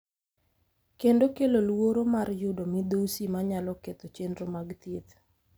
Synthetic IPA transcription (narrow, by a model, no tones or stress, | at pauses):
kendokelolwoɾomarjʊdomid̪osimaɲalɔket̪ot͡ʃendɾomaɡt̪et̪